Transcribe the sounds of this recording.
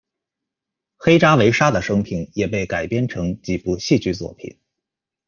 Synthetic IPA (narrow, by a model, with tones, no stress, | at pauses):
xe˥ɪʈ͡ʂa˥we˧˥ɪʂa˥d̪ə˨ʂɤ˥ŋpʰi˨˩njɛ˨˩p̬e˥˩ɪka˨˩ɪpjɛ˥nʈ͡ʂʰɤ˧˥ŋt͡ɕi˨˩pu˥˧ɕi˥˧t͡ɕy˥˩t͡swɔ̰˨˩pʰḭ˨˩˦n